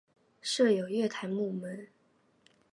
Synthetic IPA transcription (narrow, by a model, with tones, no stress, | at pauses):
ʂɤ˥˩jo˨˩ʊɥɛ˥˩t̪ʰa˧˥nmu˥˩mə˧˦n